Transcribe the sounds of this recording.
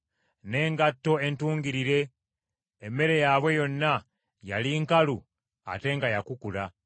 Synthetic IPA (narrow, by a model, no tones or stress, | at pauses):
ne̞ːŋɡatːo̞e̞ntuːŋɡiɾiɾe̞ | emːe̞ɾe̞jaβwe̞jo̞nːa | jaliŋkalu | a̰te̞ŋɡajakukula